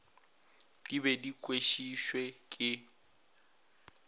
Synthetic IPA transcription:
d̥ibɛdikʼweʃiʃwekʼɪ

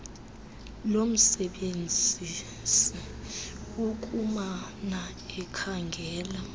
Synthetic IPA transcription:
lom̩sɛɓend͡zʱi | si | uk̬ʼumana | ɛkʰaŋɡʱɛːla

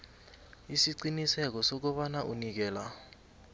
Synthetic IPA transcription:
isiǀinisɛk̬ɔsok̬ɔɓanaʔunik̬ɛːla

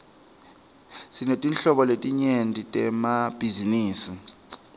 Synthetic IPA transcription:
sinetʼinɬɔɓɔletʼiɲentʼitʼɛmab̥ʱiziniːsi

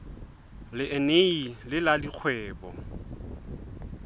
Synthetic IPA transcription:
lɪʔeneilɪladik͡xʰwɛːbɔ̰

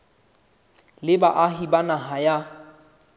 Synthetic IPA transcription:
lɪbaʔaɦibanaɦaja

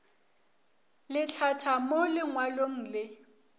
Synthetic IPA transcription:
lɪt͡ɬʰatʰamolɪŋwaloŋ̩ːlɪ

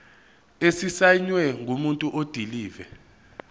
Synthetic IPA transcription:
esisaɲwɛŋʱumuntʼuʔod̥ʱiliːvɛ

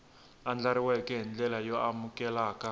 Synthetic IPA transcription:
and͡ɮaɾiwɛkɛɦind͡ɮɛlajɔʔamukɛlaːkʼa

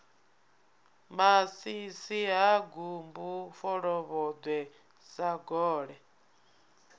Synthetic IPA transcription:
masisiɦaɡumbufɔɺɔβɔd̪wɛ | saɡɔːɺɛ

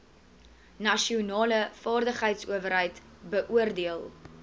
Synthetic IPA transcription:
nɐʃiunɑːləfɑːrdəχɦəjtsṵəvəɾɦəjt | bəʔuərdiəlˠ

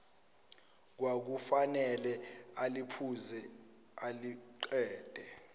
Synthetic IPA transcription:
k̬wak̬ufanɛlɛalipʰuzɛ | aliǀɛːd̥ʱʼɛ

